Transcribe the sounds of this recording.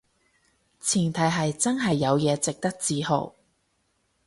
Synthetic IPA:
t͡sʰiː˨˩nt̪ʰɐ˨˥jɦɐ˨jt͡sɐ˥nɦɐ˨jːɐ˨˧wjɛː˨˧t͡sɪ˨k̚t̪ɐ˥k̚t͡siː˧ho̰˨˩w

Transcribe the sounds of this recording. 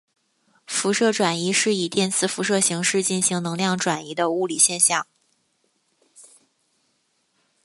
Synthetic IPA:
fu˧˥ʂɤ˥˩ʈ͡ʂwa˨˩ni˧˥ʂɻ̩˥˩i˨˩t̪jɛ˥˧nt͡sʰɹ̩˥˩fu˧˥ʂɤ˥˩ɕi˧˥ŋʂɻ̩˥˧t͡ɕi˥˩nɕi˧˥ŋnɤ˧˥ŋljɑ˥˩ŋʈ͡ʂwa˨˩ni˧˥d̪ə˧u˥˩li˨˩ɕjɛ˥˧nɕjɑ˥˩ŋ

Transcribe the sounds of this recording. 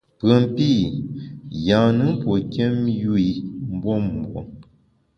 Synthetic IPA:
pɰə˨mpi˦˨ | jã˨nɨ˦pwɔ˨ke˦mju˦i˨m̩˦bɔ˦m˨bwo̰˨

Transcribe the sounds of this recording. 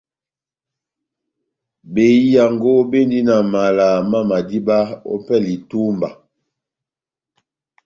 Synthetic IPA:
be˨i˦ja˨ŋɡo˦be˦ndi˦na˨ma˨la˨ma˦ma˨di˦ba˦o̰˦pɛ˦li˨tu˦mba˨

